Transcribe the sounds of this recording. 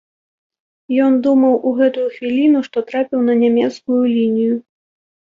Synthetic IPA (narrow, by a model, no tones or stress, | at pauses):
jɔnd̪umɐwʔuɣɛt̪ujuxvʲilʲinuʂt̪ɔt̪ɾapʲiwnɐnʲamʲɛt̪skujulʲinʲiju